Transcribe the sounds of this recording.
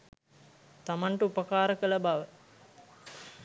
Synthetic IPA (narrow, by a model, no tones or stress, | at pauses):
t̪amaɳʈəupəkaːɾəkələbaʋə